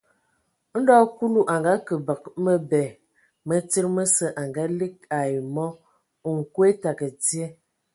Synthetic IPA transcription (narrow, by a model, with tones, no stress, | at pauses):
n̩˦dɔ˦ku˦lu˦˨ʔa˨ŋɡa˦kə˨bə˨k̚mə˦bɛ˨ | mə˦ti˦ɾmə˦sə˦ʔa˨ŋɡa˦li˦k̚a˨jmɔ˦˨ | ŋ̩˨kwe˦ta˨kə˨d͡zje˦